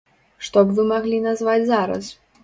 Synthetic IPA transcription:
ʂt̪ɔbvɨmaɣlʲinazvad͡zʲzaɾɐ̰s

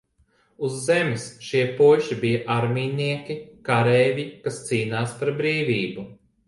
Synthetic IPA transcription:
uzːemisʃiɛpuɔʃibijɐʔaɾmʲiːniɛkʲikaɾɛːvʲikast̪siːnaːsp̪aɾbɾiːvʲiːbu

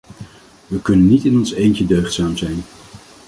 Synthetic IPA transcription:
ʋəkɵnənːitɪnɔnsejncədøɥχtsaːmzɛjn

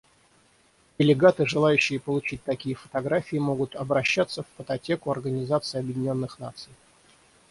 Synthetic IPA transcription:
dʲɪlʲɪɡat̪ɨʐɨlˠajʉɕːɪjəpəlˠʊt͡ɕit̚ʲt̪ɐkʲijəfə̥t̪ɐɡɾafʲɪːmo̞ɡʊt̪ɐbɾɐɕːat̪səfpət̪ɐtʲe̞kʊɐrɡənʲɪzat̪sɨɪɐbjɪdʲɪnʲo̞nːɨxna̰t̪sɨj

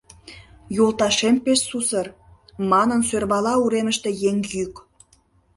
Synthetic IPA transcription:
jolˠt̪ɑʃempeʃsusər | mɑnənsørβɑlɑuɾeməʃt̪e̽jeŋjyk

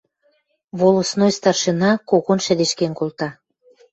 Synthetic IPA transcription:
βolosnojst̪ɑrʃenɑkoɣonʃɘ̆d̪eʃkenkolt̪ɑ

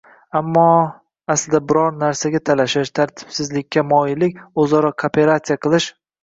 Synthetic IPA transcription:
amːɒ | asɪlɪd̪abɪɾɒɾnaɾsaɡʲat̪ʰalaʃɪʃt̪ʰaɾt̪ʰɪ̥b̥sɪzlɪkʲːamɒjɪlɪkʲozɒɾɒkʰopʰe̞ɾat̪sijaqʰɨlˠɪʃ

